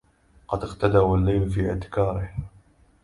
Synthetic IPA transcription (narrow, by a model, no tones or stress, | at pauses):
qɑd̪ɪqt̪ad̪aːwalːajlfiːɪʕt̪ɪ̥kɑːɾɪh